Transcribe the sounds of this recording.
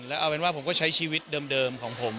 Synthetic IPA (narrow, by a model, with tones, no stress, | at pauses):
ŋlɛ˦˥ʔa˧wpe˧nwaː˥˩pʰo˩˦mkɔː˥˩t͡ɕʰa˦˥jt͡ɕʰiː˧wi˦˥t̪̚dɤː˧mdɤː˧mkʰɔː˩˦ŋpʰo˩˦m